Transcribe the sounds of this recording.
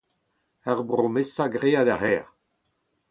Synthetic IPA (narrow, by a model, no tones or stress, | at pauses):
aʁbʁomesaɡʁeːad̪ahɛːʁ